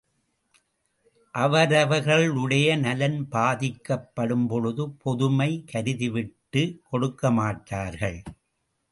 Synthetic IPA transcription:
ʔɐʋɐɾɐʋɐɾɣɐɭʊɽɐjɐnɐlɐnbaːðɪkːɐpːɐɽɯmpɔɻɯðɯpʰɔðɯmɐɪkʰɐɾɯðɪʋɪʈːɯkɔɽɯkːɐmaːʈːaːɾɣɐɭ

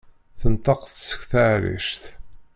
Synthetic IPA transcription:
θənt̪ˤɑqθsə̥kθaʕɾḭʃθ

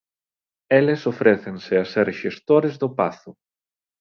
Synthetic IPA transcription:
elesofɾeθensɪaseɾʃest̪oɾezðʊpaθʊ

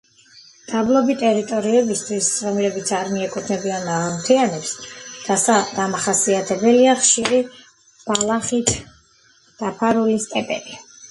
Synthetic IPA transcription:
d̪̥ablˠɔbit̪ʼɛɾit̪ʼɔɾiɛbist̪ʰwist̪sʼɾɔmiɾɛbit̪sʰaɾmiɛkʼut̪ʰnɛbianmaʁamt̪ʰianɛpsd̪̥asad̪̥amaχasiat̪ʰɛbɛliaχʃiɾi | b̥alˠaχit̪ʰ | d̪̥apʰaɾulist̪ʼɛpʼɛ̰bi

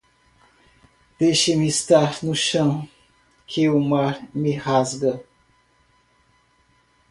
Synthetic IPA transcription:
d̪̥ejʃɪmɪːst̪aɾnʊʃɐ̃w̃ | kʰeumaɾmɪhazɡɐ

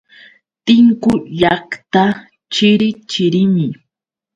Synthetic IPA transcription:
t̪ɪŋkʊʎɑkt̪a | t͡ʃɪɾɪt͡ʃɪɾɪmɪ

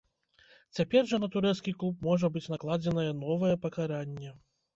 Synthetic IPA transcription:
t͡sʲapʲɛrʐɐnɐt̪uɾɛt̪skʲiklˠup̚mɔʐɐbɨt͡sʲnaklˠad͡zʲɛnɐjɛnɔvɐjɛpɐkaɾanʲːɛ

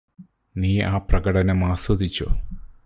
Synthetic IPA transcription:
niːaːprɐɡɐɽɐnɐmaːswɐd̪it͡ɕːo̰

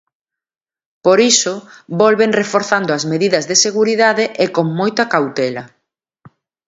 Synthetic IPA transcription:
poɾisʊbɔlβeŋrefoɾθand̪oɐzmeðiðɐzðeseɣuɾiðaðeʔekoŋmojt̪ɐkawt̪ɛlɐ

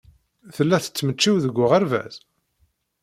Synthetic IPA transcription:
θəlːæθə̥t͡sːmət͡ʃːiwðəɡʷːʊʁæɾvæ̰z̥

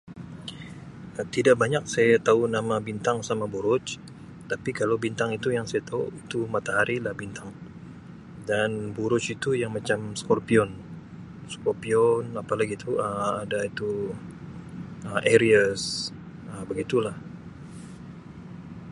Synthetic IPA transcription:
ət̪idaʔ̚baɲak̚sajat̪aunamabint̪aŋsamabuɾʊt͡ʃ | t̪apikalawbint̪aŋit̪ujaŋsajat̪auit̪umat̪aɦaɾilahbint̪ʰaŋ | danbuɾʊt͡ʃit̪ujaŋmat͡ʃamskɔrpiɔn | skɔrpiɔnapalaɡit̪uəadait̪u | əʔeɾias | əbəɡit̪ulah

